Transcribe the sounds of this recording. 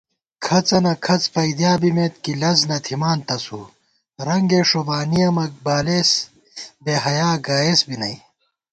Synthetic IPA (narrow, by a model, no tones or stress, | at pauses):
kʰɐt͡sɐnɐkʰɐt͡spɐid̪jaːbimeːt̪̚kilɐznɐt̪ʰimaːnt̪ɐsu | ɾɐŋɡeːʂobaːnijɐmɐk̚baːleːs | beːɦɐjaːɡaːesbinɐj